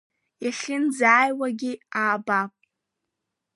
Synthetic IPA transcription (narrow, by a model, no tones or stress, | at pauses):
jaɬʲɪnd͡zaːjwaɡʲiaːbapʼ